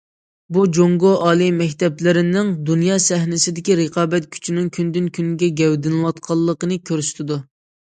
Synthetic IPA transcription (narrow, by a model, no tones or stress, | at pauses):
bud͡ʒoŋɡoʔɑːlˠimɛkʲt̪ɛplɪɾɪnɪŋd̪unjɑːsɛɦnɪsɪd̪ɪkʲiɾəqʰɑːbɛt̪̚kʲʰy̥t͡ʃʰinɪŋkʲʰynd̪ynkʲʰynɡʲɛɡʲɛwd̪ɪnɨlɑt̪̚qʰɑlˠːəqənɨkʲʰøɾysy̥t̪ʰɪd̪u